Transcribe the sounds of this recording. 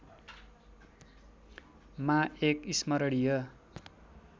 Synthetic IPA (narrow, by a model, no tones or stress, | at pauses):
maekismʌɾʌɽijʌ